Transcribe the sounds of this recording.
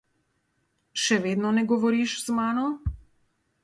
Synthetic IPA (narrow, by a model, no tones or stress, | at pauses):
ʃɛʋeːd̪nɔnɛɡɔʋɔɾiʃzmaːnɔ